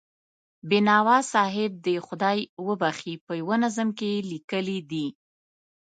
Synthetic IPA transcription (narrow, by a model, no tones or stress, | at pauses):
bɪnɑwɑsɑɦɪb̚d̪əxʊd̪ɑjwəbaxipəjwənazəmkelikəlid̪i